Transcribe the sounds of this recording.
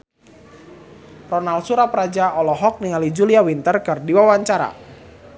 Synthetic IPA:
rɔnalt̪suɾapəɾad͡ʒaʔɔlɔɦɔk̚niŋalid͡ʒuliawint̪ərkɨrdiwawaɲt͡ʃaɾa̰

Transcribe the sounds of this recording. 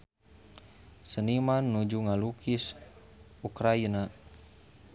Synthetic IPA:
sənimanːud͡ʒuŋalukʰis | ukɾaina

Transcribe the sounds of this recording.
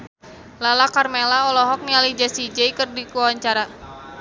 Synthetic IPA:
lalakarmelaɔlɔɦɔk̚nialid͡ʒasid͡ʒɛikərdikuwwaɲt͡ʃaɾa

